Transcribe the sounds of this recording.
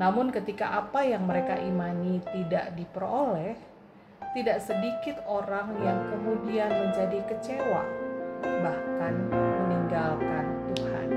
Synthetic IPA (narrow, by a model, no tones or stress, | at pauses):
namʊnkət̪ikaʔapajaŋməɾekaʔimanit̪ida̰ʔdipəɾolɛh | t̪idaʔsədikɪt̪oɾaŋjaŋkəmudianməɲd͡ʒadikət͡ʃewa̰ | bahkanməniŋɡalkant̪uha̰n